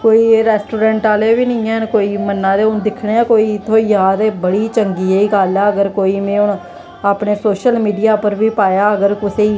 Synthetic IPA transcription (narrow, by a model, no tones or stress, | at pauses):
koːiːɾɛːsʈoːɾɛːɳʈaːleːʋiːnɪ̃ːɛːɦnkoːiːmənːãːd̪eːʊnd̪ɪkʰɳeːãːkoːiːɪt̪ʰːõːijaːd̪eːbəɽiːt͡ʃəŋɡiːeiːɡaːlɛːəɡəɾkoːiːmẽːʊɳ | aːpɳeːsoːʃəlmiːɖijaːpəɾʋiːpaːjaːəɡəɾkʊseiː